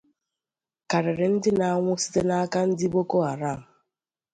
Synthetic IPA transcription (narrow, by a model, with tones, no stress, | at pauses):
ka˨ɾɪ˨ɾɪ˨n̩˦dɪ˦na˨a˨ŋʷʊ˦si̥˦te˦na˦ka˦n̩˦dɪ˦bo˦ko˦a˨ɾa˦˨m̩˨